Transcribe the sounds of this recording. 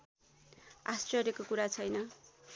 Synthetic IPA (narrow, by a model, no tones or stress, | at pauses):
a̰strʌrjʌkokuɾat͡sʰʌjnʌ